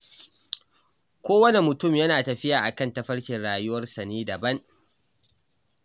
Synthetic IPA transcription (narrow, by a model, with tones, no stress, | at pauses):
kʷoː˦wɐ˦ne˨mʊ˨tʊ˦˨mjɐ˦naː˨tɐ˨ɸɪ˦jaː˨ʔa˨kɐ˦˨ntɐ˦ɸɐ˦ɽkʲɪ˨nɽaː˨jʊ˦wɐ˦rsɐ˨neː˦dɐ˨bɐ˦ŋ